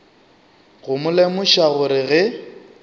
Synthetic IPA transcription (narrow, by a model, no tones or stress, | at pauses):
ɣʊmʊlemʊʃaɣʊɾɪɣɛ